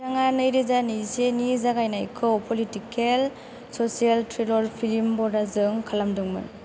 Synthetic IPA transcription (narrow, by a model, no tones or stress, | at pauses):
aŋanɯjɾizanisenizaɡajnajkʰɯwpʰɔlitikʰel | sɔsialtʰɾilɔɾpʰilimbɔdazɯŋkʰalamdɯŋmɯ̰n